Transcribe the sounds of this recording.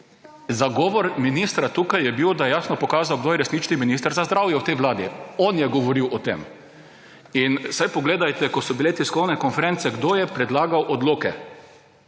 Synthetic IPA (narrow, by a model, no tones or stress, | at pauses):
zaɡɔːʋɔɾminist̪ɾat̪uːkajːɛbiwd̪ajɛjaːsnɔpɔkaːzawɡd̪oːjɛɾɛsnit͡ʃniminiːst̪əɾzazd̪ɾaːwjɛwt̪ɛjʋlaːd̪ḭɔnjɛɡɔʋɔɾiwɔt̪ḛm | insajpɔɡleːd̪ajt̪ɛkɔsɔbilet̪iskɔwnɛkɔnfɛɾɛntsɛɡd̪ojɛpɾɛd̪laːɡawʔɔd̪loːkɛ